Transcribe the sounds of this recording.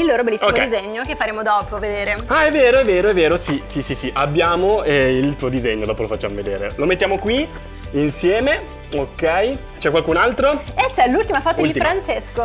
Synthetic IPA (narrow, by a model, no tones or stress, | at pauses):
ilːoːɾobelːisːokmoɛ̰izeɲːokefːaɾeːmod̪ɔːpoved̪eːɾeaɛvːeːɾoɛvːeːɾoɛveːɾosisisisiʔabːjaːmoɛilt̪uːod̪izeɲːod̪ɔːpolofat͡ʃːa̰ːmoved̪ḛːɾḛlomet̪ːjaːmokwi | insjɛːme | okːɛj | t͡ʃɛkwalkunalt̪ɾoet͡ʃːɛlult̪imafɔːt̪od̪iifɾant͡ʃesko